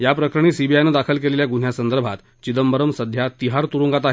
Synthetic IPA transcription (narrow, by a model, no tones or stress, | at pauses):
japɾəkʰɾəɽ̃iːsibʱiajnəd̪akʰəlkeleljaɡuɳ̤jasənd̪əɾbʱat̪ | t͡ɕid̪əmbəɾəmsəd̪ʱjat̪iɦaɾt̪uɾuŋɡat̪aɦ